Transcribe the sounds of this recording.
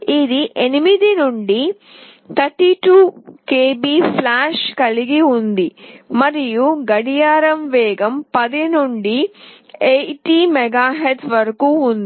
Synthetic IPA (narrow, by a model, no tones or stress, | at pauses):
id̪iʔenimid̪inuɳɖi | t̪ʰɐɾʈːiʈuːkeːbiːpʰlaːʂkɐliɡiund̪imɐɾijuɡɐɽijaːɾɐmʋɛːɡɐmpɐd̪inuɳɖi | eʈiːmɛɡaːɦet̪ʰʋɐɾɐkuːnd̪i